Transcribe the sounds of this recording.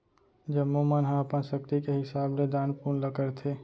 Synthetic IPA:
d͡ʒəmːomanɦãəpənʃək̚t̪ikeɦɪsaːbled̪aːnpuːɾnləkəɾt̪ʰe

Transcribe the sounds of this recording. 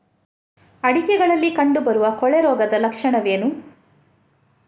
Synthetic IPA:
ɐɽikɛɡɐɭɐlːikɐɳɖubɐɾuʋɐkɔɭeɾɔːɡɐd̪ɐlɐkʂɐɳɐʋeːnu

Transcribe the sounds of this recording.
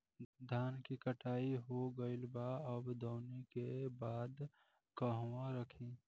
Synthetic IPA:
d̪ʱaːnkikəʈʰaːiɦoɡəɪlbaəbd̪əːnekebaːd̪ | kəɦwãɾəkʰi

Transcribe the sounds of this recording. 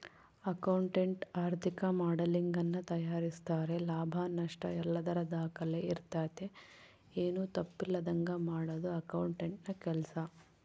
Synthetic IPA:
ɐkɐwɳʈeɳʈaːɾt̪ʰikɐmaːɽɐliŋɡɐnːɐt̪ɐjaːɾist̪aːɾe̞laːbʱanɐʂʈɐɛlːɐd̪ɐɾɐd̪aːkɐleiɾt̪aːt̪e̞ | eːnuːt̪ɐpːilːɐd̪ɐŋɡɐmaːɽɐd̪uɐkɐwɳʈeɳʈnɐkɛlɐsɐ

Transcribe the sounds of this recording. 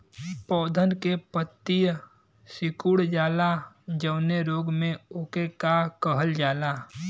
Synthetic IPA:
pɔːd̪ʱənkepət̪ːij | sɪkuːɽd͡ʒaːla | d͡ʒəʊneɾoːɡmẽoːkekakəɦəld͡ʒaːlaː

